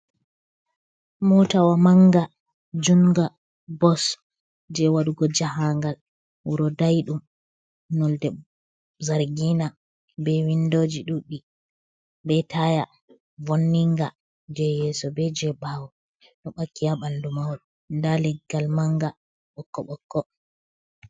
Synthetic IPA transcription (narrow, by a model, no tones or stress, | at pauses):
mɔtawamaŋɡa | d͡ʒuŋɡa | bɔs | d͡ʒɛwaɗuɡɔd͡ʒaɦaŋɡal | wuɾɔdajɗum | nɔldɛ | zaɾɡina | bɛwindod͡ʒiɗuɗi | ɓɛtaja | vonːiŋɡa | d͡ʒɛjɛsɔbɛd͡ʒɛbawɔ | ɗɔɓakːijaɓandumawɗu | ndalɛɡɡːalmaŋɡa | ɓɔkːɔɓɔkːɔ